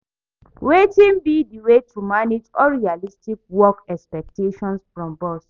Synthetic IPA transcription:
wetĩnbidiwetʰumaned͡ʒɔɹialistik̚wɔkɛkspɛk̚teʃɔ̃nsfɹɔ̃mbɔs

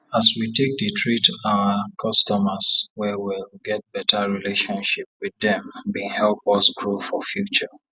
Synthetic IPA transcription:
aswitek̚ditʰɹitawəkʰɔstɔməswɛwilɡɛt̚b̥ɛtʰaɹileʃɔ̃nʃip̚wiðɛ̃mwihɛlpɔsɡɹofɔfjut͡ʃə

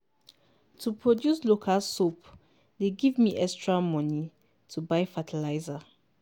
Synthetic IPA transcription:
tʰupʰɹɔdjuslokʰalsop | deɡivmiʔɛkstʰɹamɔ̃ni | tʰubaɪfatʰɛlaɪza

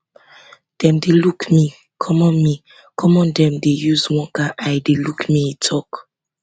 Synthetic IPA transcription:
d̥ɛ̃mdelukmi | kʰɔmɔ̃nmi | kʰɔmɔ̃ndɛ̃mdejuzwɔ̃ŋkaʔajdelukmiitʰɔk

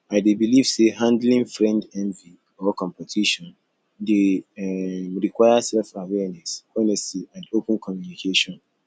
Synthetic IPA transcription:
aɪdebiliv̥seɦãndlĩŋfɹɛ̃ndɛ̃nvi | ɔkɔ̃mpɛtʰiʃɔ̃n | de | mɹikwaɪasɛlfawɛnɛsɛnɛsiãndopə̃nkʰɔmjunikʰeʃɔ̃n

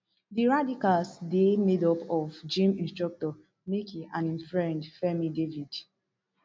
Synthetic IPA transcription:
diɹadikalsdemedɔpɔvd͡ʒĩmĩnstɹɔk̚tɔ | mikʰiãnimfɹɛ̃ndfɛmidevid̥

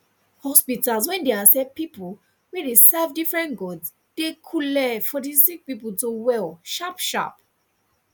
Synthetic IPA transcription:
hɔspitalswɛ̃ndeasɛpipul | wɛɹesɛvdifɹɛ̃nɡɔds | d̥ekʰulɛfɔtisikspip̬ultowɛlʃapʃa̰p

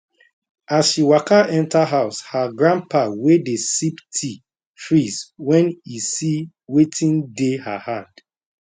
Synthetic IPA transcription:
asʃiwakaʔɛ̃ntʰaɦaʊshaɡɹãnpʰawedesiptʰi | fɹizwɛ̃nisi | wetʰĩndeha̰hãnd̥

